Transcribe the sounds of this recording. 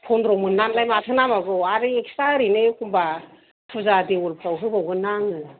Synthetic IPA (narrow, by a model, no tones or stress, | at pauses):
pʰɔndɾɔmɯnːanlajmatʰɯnamaɡɯaɾɯek̚staɾinekʰumba | pʰuzadiulpʰawɦɯbawɡɯnaŋɯ